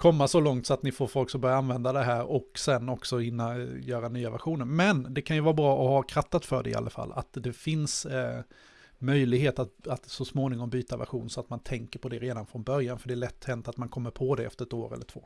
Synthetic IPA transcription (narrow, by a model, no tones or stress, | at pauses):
kʰɔmːasɔlɔŋt̪sɔat̪nɪfoːɾfɔlksɔmbœɾjaanvɛnd̪ad̪ɛɦæːɾɔksɛnːɔksɔhɪnːajœːɾanyːavæ̰ɾɧuːnəɾmɛnd̪ɛkʰanjɵvɑːɾabɾɑːʔɔhakʰɾat̪ːat̪fœ̰ɖɛ̰ɪ̰a̰lːa̰fa̰lːa̰t̪d̪ɛfɪns | mœjlɪɡɦeːt̪at̪at̪sɔsmoːnɪŋɔmbyːt̪avæ̰ɾɧṵːnsɔat̪mant̪ʰɛŋkəɾpʰɔd̪ɛɾeːd̪anfɾɔnbœɾjanfœɖɛæːɭɛt̪ːhɛnt̪at̪mankʰɔmːəɾpʰɔd̪ɛɛ̰ft̪əɾɛt̪oːɾɛ̰lːəʈʰvo̰ː